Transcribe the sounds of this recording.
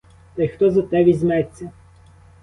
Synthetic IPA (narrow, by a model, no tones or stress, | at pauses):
t̪ɐjxt̪ɔzɐt̪ɛbʲizʲmɛt͡sʲːɐ